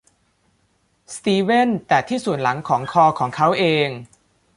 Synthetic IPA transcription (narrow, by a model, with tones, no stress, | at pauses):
st̪iː˧we˥˩nt̪ɛː˨˩t̪ʰiː˥˩su˨˩ənla˩˦ŋkʰɔː˩˦ŋkʰɔː˧kʰɔː˩˦ŋkʰa˦˥wʔeː˧ŋ